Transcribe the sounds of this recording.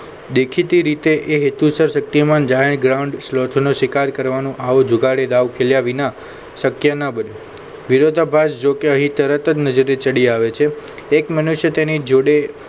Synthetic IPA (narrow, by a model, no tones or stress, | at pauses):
d̪ekʰit̪iɾit̪eʔeɦet̪usəɾsək̚t̪imãnd͡ʒaɦeɾɡɾauɳɖslot̪ʰnoʃʋikaɾkəɾʋanũʔaʋod͡ʒʱuɡaɽed̪aʋkʰeljaʋina | səkjənəbəne | ʋiɾod̪ʱəbʱasd͡ʒokeəɦĩt̪əɾət̪əd͡ʒnəd͡ʒəɾet͡ʃəɽiaʋet͡ʃʰeː | kmənuʃjət̪enid͡ʒoɽe